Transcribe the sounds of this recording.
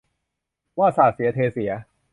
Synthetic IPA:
waː˥˩saː˨˩t̪̚si˩˦ɐt̪ʰeː˧si˨˩˦ɐ

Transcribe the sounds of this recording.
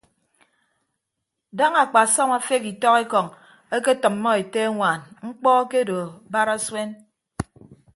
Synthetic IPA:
da˦ŋa˨k͡pa˨sɔ˦ma˦fe˦ki˨tɔ˦ke˦kɔ˨ŋ | e˦ke˦tɨ˨mːɔ˦e˨te˦ŋʷa˨nŋ͡m̩˦k͡pɔ˦ke˦do˨ba˦ɾa˦swe˦n

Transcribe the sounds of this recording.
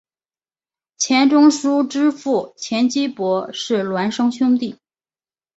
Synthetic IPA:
t͡ɕʰjɛ˧˥nʈ͡ʂʊ˥ŋʂu˥ʈ͡ʂɻ̩˥fu˥˩t͡ɕʰjɛ˧˥nt͡ɕi˥pwɔ˧˥ʂɻ̩˥˩lwa˧˥nʂɤ˥ŋɕjʊ˥ŋt̪i˥˩

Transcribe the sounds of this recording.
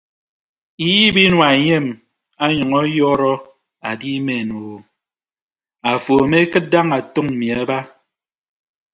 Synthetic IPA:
i˦ji˦bi˦nwa˨e˨ɲe˦˨m | a˦ɲɔ˨ŋɔ˦jɔː˦ɾɔ˦ | a˨di˦me˨nu˨ | a˨fo˨me˦kɨ˦t̚da˦ŋa˨to˦ŋ̩˨mi˨a˦ba˦

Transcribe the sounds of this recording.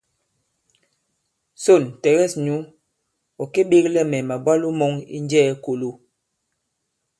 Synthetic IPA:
so˦˨ntɛ˨ɣɛ˦˨sɲu˨˦ | ɔ˨ke˦ɓe˦klɛ˦mɛ˨ma˨bwa˦lu˦mɔ˦ŋḭ˦nd͡ʒɛː˦ko˨lu˦˨

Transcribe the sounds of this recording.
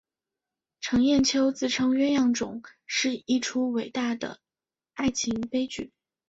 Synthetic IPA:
ʈ͡ʂʰɤ˧˥ŋjɛ˥˩nt͡ɕʰjo˥ʊt͡sɹ̩˥˩ʈ͡ʂʰɤ˥ŋɥɛ˥jɑ˥˩ŋʈ͡ʂʊ̰˨˩˦ŋʂɻ̩˥˧i˥ʈ͡ʂʰu˥we˨˩ɪt̪a˥˩d̪ə̰˩ | a˥˩ɪt͡ɕʰi˧˥ŋpe˥ɪt͡ɕy̰˨˩˦

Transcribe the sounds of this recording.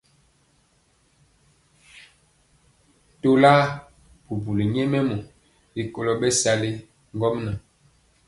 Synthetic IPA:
to˦laː˦ | pu˨bu˨li˨ɲ˦ɛ˦mɛ˦mɔ˨ | li˨ko˨lɔ˨ɓɛ˦sa˦le˦ | ŋɡɔ˦mna˨

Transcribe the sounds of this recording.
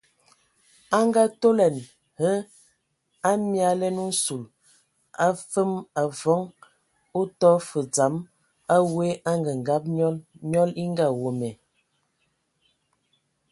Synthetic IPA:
a˦ŋ˦ɡa˦to˦lɛ˨n | hə˦ | a˦mja˨˦lɛ˦nu˦n̩˦su˨l | a˦fə˦ma˨vɔ˨˦ŋ | u˦tɔ˦fə˨d͡za˨˦m | a˦we˦ʔa˦ŋɡə˨ŋ̩˨ɡa˦p̚ɲɔ˦li˦ŋ˦ɡa˦˨wo˨mɛ˨

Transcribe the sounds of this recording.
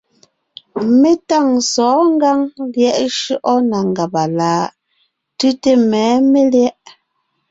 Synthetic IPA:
me˦ta˦˨ŋsɔː˨˦ŋ˦ɡa˦ŋljɛ˦˨ʔʃʉ˦ʔɔ˦na˨ŋ˨ɡa˨pa˨laː˨˦ | tʉ˦te˦mɛː˨˦me˦ljɛ˦ʔ

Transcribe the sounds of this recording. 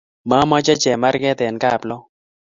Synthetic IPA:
ma˦ma˦t͡ʃa˦t͡ʃɛ˨ma˦ɾɡɛ˦t̪ɛ˨nka˦˨plɔ˦

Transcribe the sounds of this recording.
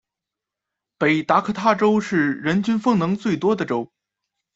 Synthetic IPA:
pe˨˩ɪt̪a˧˥kʰɤ˥˧˩t̪ʰa˥˩ʈ͡ʂo˥ʊʂɻ̩˥˩ɻə˧˥nt͡ɕy˥nfɤ˥˩ŋnɤ˧˥ŋt͡swe˥˩ɪt̪wɔ˥d̪ə˨ʈ͡ʂo˥ʊ

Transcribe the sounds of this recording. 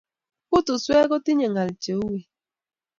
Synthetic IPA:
ku˦tu˨swe˦ɣo˦ti˦ɲe˨ŋa˨li˨t͡ʃe˨u˦we˨

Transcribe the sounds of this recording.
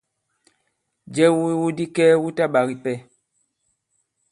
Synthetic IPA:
d͡ʒɛ˦wi˦wu˦di˦kɛː˦wu˦ta˦ɓa˨ɣi˨pɛ˦˨

